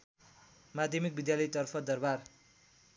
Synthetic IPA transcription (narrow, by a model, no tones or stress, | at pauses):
mad̪ʱjʌmik̚bid̪jalʌjt̪ʌrpʰʌd̪ʌrbar